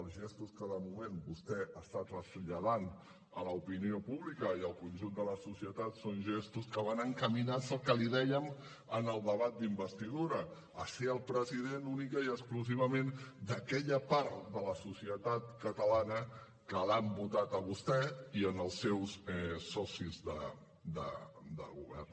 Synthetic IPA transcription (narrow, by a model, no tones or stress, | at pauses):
lˠzʒest̪uskəðəmumenbust̪ɛast̪at̪rəzʎəðan | ələupiniopuβlikəiəlˠkunʲʒund̪ələsusiət̪at̪sonʒest̪uskəβ̞anəŋkəminasəlˠkəliðɛjəm | ənəlˠd̪əβat̪̚d̪imbəst̪iðuɾə | əseəlˠpɾəziðenunikəiəkskluziβəmend̪əkɛʎəpaɾt̪d̪ələsusiət̪at̪kət̪əlanə | kəlambut̪at̪əβ̞ust̪ɛiənəlˠsːewsɛsɔsizd̪ə̰ | d̪ə̰d̪ə̰ɣṵβɛ̰r